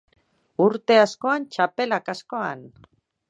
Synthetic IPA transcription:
uɾt̪e̞asko̞ant͡ʃape̞lakasko̞an

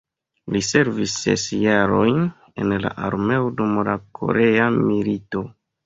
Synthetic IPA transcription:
lise̞ɾvisːe̞̰sjaɾo̞jn | e̞nla̰ʔaɾme̞odumlakʰo̞̰ɾʔe̞amilito̞

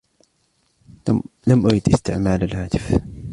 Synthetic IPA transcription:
lamʔʊjɪd̪ʔɪst̪ɪʕmaːlalhaːt̪ɪ̥f

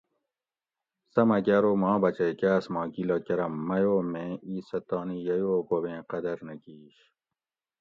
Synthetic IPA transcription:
sɐmɐkaːɾoːmɑ̃ːbɐt͡ɕejkaːsmɑ̃ːkilɐkɐɾɐmːɐjoːmẽːiːsɐt̪ɑːnijɐjoːkobẽːqɐd̪ɐɾnɐkiːɕ

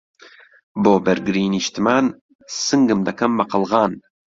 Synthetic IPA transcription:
boːbɐɾɡɨɾiːniʃt̪ɨmaːn | sɨŋɡɨmd̪ɐkʰɐmːɐqɨlˠɣɑːn

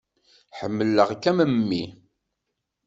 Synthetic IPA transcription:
ħəmːəlːəʁkːæməmːi

